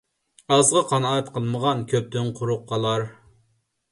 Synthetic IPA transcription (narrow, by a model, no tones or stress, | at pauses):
ɑzʁɑqʰɑnɑt̪qʰəlˠməʁɑnkʲʰøp̚t̪ʰynqʰʊɾʊqʰːɑlˠɑɾ